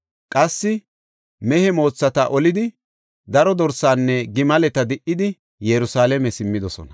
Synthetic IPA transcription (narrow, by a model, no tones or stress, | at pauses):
kʼɐsːɪ | mɛhɛmo̞ːt͡sːɐt̪ɐʔɔlɪd̪ɪ | d̪ɐɾɔd̪ɔɾsaːnːɛɡɪmɐlɛt̪ɐd̪ɪʔːɪd̪ɪ | jɛɾʊsaːlɛmɛsɪmːɪd̪ɔsɔ̰nɐ